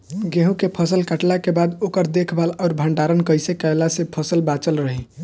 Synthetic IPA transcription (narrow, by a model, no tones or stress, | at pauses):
ɡeɦũkepʰəsəlkəʈlakebad̪okəɾd̪ekʰbalɔʊɾbʱəɳɖaɾənkəjsekəelasepʰəsəlbat͡ʃəlɾəɦi